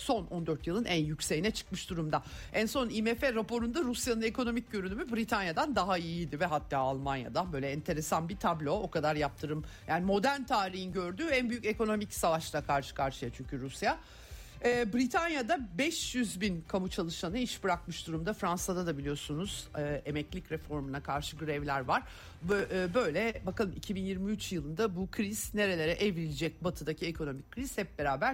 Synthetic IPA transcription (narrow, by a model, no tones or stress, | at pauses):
so̞nʔo̞nd̪øɾt̪jɯlˠɯnʔænjycʲse̞jinɛt͡ʃʰɯ̥kmɯʃd̪uɾumd̪aænso̞nimefeɾapo̞ɾund̪aɾusjanɯne̞kʰo̞no̞mic̚ɟø̞ɾynymybɾit̪ʰanjad̪and̪aɦaijid̪ivɛɦat̪ʰːaːalˠmanja̰d̪abø̞jlʲɛɛnt̪ʰe̞ɾe̞sanbit̪ʰablʲo̞okad̪aɾjap̚t̪ʰɯɾɯmjaːnimo̞d̪æɾnt̪ʰaːɾiɦinɟø̞ɾd̪yːænbyjyce̞ko̞no̞micsavaʃlˠakʰaɾʃɯ̥kʰaɾʃɯjat͡ʃʰyɲcʰyɾusja | bɾit̪ʰanjad̪abɛʃjyzbinkʰamut͡ʃʰalˠɯʃanɯiʃbɯɾakmɯʃd̪uɾumd̪afɾansad̪ad̪abilʲijo̞sunuz̥ɯemɛclʲicɾɛfo̞ɾmunakʰaɾʃɯɡɯɾɛvlʲæɾvaɾ̥ | øːbø̞jlʲɛbakalˠɯmicʰibinjiɾmiyt͡ʃjɯlˠɯnd̪abukʰɾiz̥ne̞ɾe̞lʲe̞ɾɛʔevɾilʲid͡ʒɛc̚bat̪ʰɯd̪acʰiekʰo̞no̞micʰːɾiz̥hɛp̚be̞ɾaːbæɾ